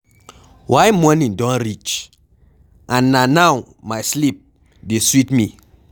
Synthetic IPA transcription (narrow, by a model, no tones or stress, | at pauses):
wʔajmɔnĩndɔ̃nɾit͡ʃ | anːanaw | majslip̚ | deswitmi